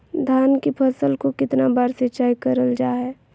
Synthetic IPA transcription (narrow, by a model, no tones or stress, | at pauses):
d̪ʱaːnkipʰəsəlkokɪt̪nabaːɾset͡ʃaːikəɾəld͡ʒaːɦɛː